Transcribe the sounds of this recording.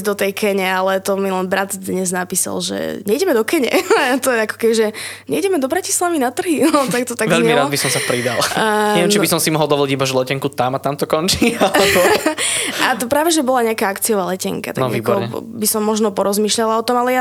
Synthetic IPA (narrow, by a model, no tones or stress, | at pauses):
d̪ɔt̪ɛjkʰɛɲɛalɛt̪ɔmilɛnbɾat̪d̪ɲɛznapiːsa̰lʒɛ̰ɲɛiɟɛmɛd̪ɔkɛɲɛ̰t̪ɔjɛakɔ̥kɛbiʒɛɲɛiɟɛmɛd̪ɔbɾacislaʋinat̪r̩ɦinɔt̪akt̪ɔt̪aʋɛʎɛmiɾaːd̪bisɔmsapɾid̪a̰lˠɲɛʋɛmt͡ʃibisɔmsimɔɦɔlˠd̪ɔʋɔlicibaʒɛlɛcɛŋkut̪amat̪amt̪ɔkɔnt͡ʃiːalɛbɔ | ʔat̪ɔpɾaːʋɛʒɛbɔlaɲɛakaːakt͡siɔʋaːlɛcɛ̰ŋka̰t̪anɔɡvḭːkbɔɾɔɛbisɔmːɔʒnɔpɔɾɔzmiːʃʎalaɔt̪ɔmalɛja